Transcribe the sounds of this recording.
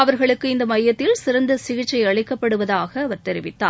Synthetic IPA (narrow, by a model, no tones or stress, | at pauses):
ɐʋɐɾɣɐɭɯkːɯɪnd̪ɐmɐjːɐt̪ːɪlsɪɾɐnd̪ɐsɪɣɪt͡ʃːɐɪɐɭɪkːɐpːɐɽɯʋɐðaːɣɐːʋɐɾt̪ɛɾɪʋɪt̪ːa̰ː